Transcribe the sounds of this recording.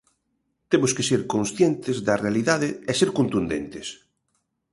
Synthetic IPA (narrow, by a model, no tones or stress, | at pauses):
t̪emʊskeseɾkonsθjent̪ɪzðɐrealiðaðɪɛseɾkont̪und̪ḛnt̪ɪs